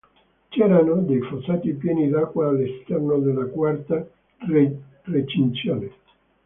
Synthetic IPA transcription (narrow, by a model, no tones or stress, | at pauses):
t͡ʃɛɾanod̪ejfosaːt̪ipjɛːnid̪akːwaːlːest̪ɛrnod̪elːakwart̪a | r | ret͡ʃint̪sjoːne